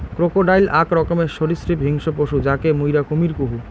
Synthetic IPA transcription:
kɾokoɖajlakɾɔkomeʃoɾisɾipɦiŋʃopoʃud͡ʑakemujɾakomiɾkuɦu

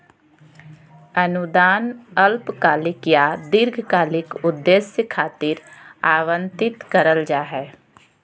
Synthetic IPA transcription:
ənʊd̪aːnəlpkaːlɪkijad̪ɪɾɡʱkaːlɪkʊd̪ːeːsəkʰaːt̪iːɾaːʋə̃nt̪ɪt̪kəɾəld͡ʒaːɦɛː

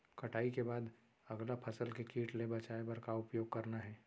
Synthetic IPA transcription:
kɐʈʰaːikebaːd̪ | ɐɡlapʰɐsəlkekiːʈlebɐt͡ʃaːebɐɾkaʊpjoːɡ̚kɐɾnaɦɛː

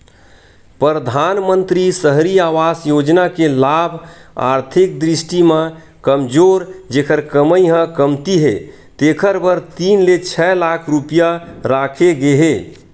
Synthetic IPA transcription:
pɾəɾəd̪ʱanmənt̪ɾisəɦɾiaʋasjod͡ʒnakelabʱa̰ɾt̪ʰik̚d̪ɾisʈimẽ | kəmd͡ʒoɾd͡ʒekʰəɾkəməjɦə̃kəmt̪iɦḛ | t̪ekʰəɾbəɾt̪inlet͡ʃʰɛlakʰɾupijaɾakʰeɡeɦe

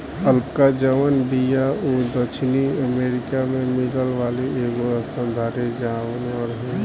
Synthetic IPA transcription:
əlpkad͡ʒəʋənbijaoːd̪ət͡ʃʰniəmeːɾɪkamẽmɪləlʋaːleeːɡoəst̪ə̃nd̪ʱaːɾed͡ʒaaʋənɔɾɦɛ̃

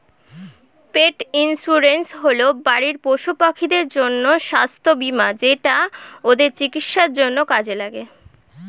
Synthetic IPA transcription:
peʈinsuɾensɦolobaɽiɾpoʃupakʰːid̪eɾd͡ʑonːoʃast̪ʰobimad͡ʑeʈaod̪eɾt͡ɕikit̪ʃaɾd͡ʑonːokad͡ʑelaɡe

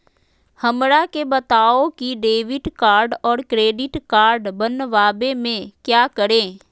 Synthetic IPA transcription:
həmɾakebɐt̪aːokiɖeːʋɪʈkaːɾɖɔːɾkɾeːɖɪʈkaːɾɖbənːʋaːbemẽkjaːkəɾẽː

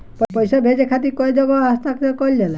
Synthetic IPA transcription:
ppɔjsɔbʱed͡ʒekʰat̪ikɔjd͡ʒɔɡɔɦast̪akɔkɔld̪ela

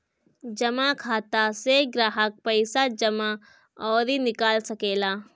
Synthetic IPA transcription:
d͡ʒɐmakʰaːt̪aseɡɾaːɦək̚pəɪsad͡ʒɐma | ɔːɾinɪkaːlsɐkeːlaː

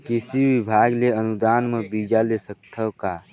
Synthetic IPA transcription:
kɪsiwibʱaːɡleənud̪aːnmẽbid͡ʒalesək̚t̪ʰəka

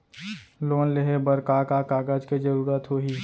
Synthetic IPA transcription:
loːnleɦebəɾkaːkaːkaːɡaːd͡ʒked͡ʒəɾuːɾət̪ɦoːɦiː

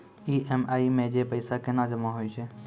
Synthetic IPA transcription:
iʔemaːimẽd͡ʒepəɪsakenad͡ʒəmaɦoit͡ʃʰeː

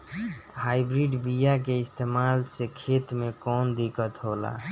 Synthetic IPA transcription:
hajbɾiɖbijak̬eist̪ʰemalsekʰet̪mekɔnd̪ikət̪ɦola̰

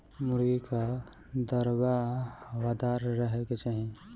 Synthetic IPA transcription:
mʊɾɡika | d̪əɾbawad̪aɾɾəɦeket͡ʃaɦĩ

